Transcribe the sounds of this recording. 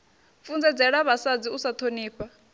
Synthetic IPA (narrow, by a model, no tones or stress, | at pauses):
fund͡zɛd͡zɛɺaβasad͡ziusat̪ʰoniːɸa